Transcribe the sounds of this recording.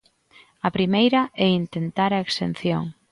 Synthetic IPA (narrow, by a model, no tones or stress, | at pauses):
ɐpɾimejɾɐʔɛint̪ent̪aɾaekst̪ḛn̟θjo̰ŋ